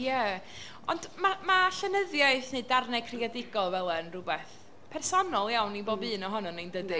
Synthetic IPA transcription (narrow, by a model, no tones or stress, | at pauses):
jɛ | ɔ̰ndmamaɬənəðjaɨθnedarnɛkʰrɪadɪɡɔlˠvɛlˠənrʊbɛθ | pʰɛrsɔnɔlˠjawniboːbɨːnɔɦɔnɔnejndədi